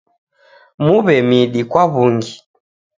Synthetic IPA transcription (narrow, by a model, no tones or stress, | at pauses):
muβɛmiɗikwaβuŋɡi